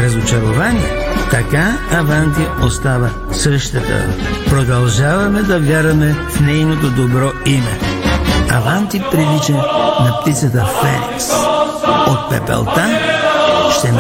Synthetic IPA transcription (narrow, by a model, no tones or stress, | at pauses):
ɾɐzot͡ʃɐɾovaniɛ | t̪ɐkaːvant̪iost̪avɐ | səʃt̪ət̪ə̰pɾod̪ɐlˠʒavɐmɛd̪ɐvʲjaɾɐmɛfnɛjnot̪od̪obɾɔimɛ̰ | a̰vant̪ipɾilit͡ʃɛnɐp̚t̪it̪sɐt̪əfɛ̰nḭks | ot̪̚pɛ̰pɛ̰lˠt̪an | ʃt̪ɛ